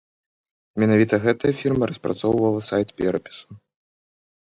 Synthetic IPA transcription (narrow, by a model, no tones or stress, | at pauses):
mʲɛnavʲit̪ɐɣɛt̪ɐjɐfʲirmɐɾɐspɾat̪sɔwvɐlˠɐsajt̪ʲpʲɛɾɐpʲi̥su̥